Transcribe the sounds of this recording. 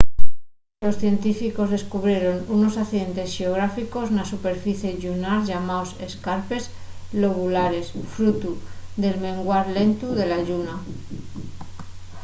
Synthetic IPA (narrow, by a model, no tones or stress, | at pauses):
lo̞sθje̞nt̪ifiko̞zðe̞skuβɾje̞ɾo̞nuno̞saθiðe̞nt̪e̞sxeo̞ɣ̞ɾafiko̞znasupe̞ɾfiθje̞ʝunaɾʝamaose̞skaɾpe̞zlo̞ɣulaɾe̞sfɾut̪uðe̞lmẽ̞ŋɡwaɾle̞nt̪uðe̞laʝuna